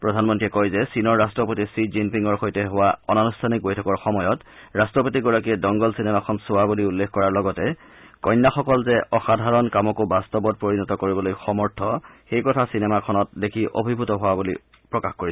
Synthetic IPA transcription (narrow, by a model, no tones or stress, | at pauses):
pɹɔdʱanmɔntɹiɛkɔjzɛsinɔɹːastɹɔpotisizinpiŋɡɔɹxojtɛɦʊwaɔnanustʰanik̚bojtʰɔkɔɹxɔmɔjɔtɹastɹɔpotiɡɔɹakiɛdɔŋɡɔlsinemakʰɔnsowabuliulːekkɔɹaɹlɔɡɔtɛ | kɔjnːaxɔkɔlzɛʔɔxadʱaɹɔnkamɔkobastɔbɔt̚poɹinɔtɔkoɹibɔlojxɔmɔɹtʰɔxejkɔtʰasinɛmakʰɔnɔt̚dekʰiʔo̰bʱibʱutɔɦʊabuli | pɹɔkaxkoɹi